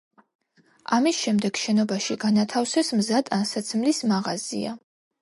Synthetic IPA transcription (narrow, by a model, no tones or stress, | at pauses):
amisʃɛmd̪ɛɡ̥ʃɛnɔbaʃiɡanat̪ʰafsɛsmzad̪ansat̪sʰmlismaʁazḭa̰